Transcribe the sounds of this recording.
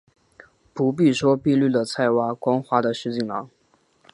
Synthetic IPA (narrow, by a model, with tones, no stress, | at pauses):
pu˧˥p̬i˥˩ʂwɔ˥pi˥˧ly˥˩lə˩t͡sʰa˥˩ɪwa˥kwɑ˥ŋxwa˧˥d̪ə˨ʂɻ̩˥˧t͡ɕi˥˩ŋlɑ̰˧˥ŋ